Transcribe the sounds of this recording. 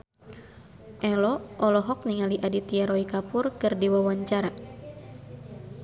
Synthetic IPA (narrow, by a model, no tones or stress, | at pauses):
ʔɛlɔʔɔlɔɦɔk̚niŋaliʔadit̪iaɾɔikapʊrkɨrdiwawaɲt͡ʃaɾa